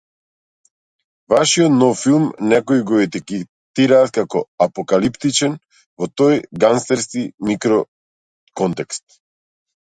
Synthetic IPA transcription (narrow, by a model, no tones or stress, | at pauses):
vaʃiɔt̪nɔffilˠmnɛkɔiɡɔɛt̪ikɛ | t̪iɾaːt̪̚kakɔapɔkalipt̪it͡ʃɛn | vɔt̪ɔjɡanst̪ɛɾskimikɾɔ | kɔnt̪ɛkst̪̚